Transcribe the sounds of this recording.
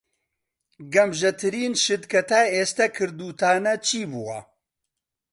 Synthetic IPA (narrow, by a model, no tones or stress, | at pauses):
ɡɐmʒɛt̪ʰɨɾiːnʃɨd̪kɐt̪aːeːst̪ɛkʰɨɾd̪uːt̪ʰaːnɐt͡ʃʰiːbuwɐ̰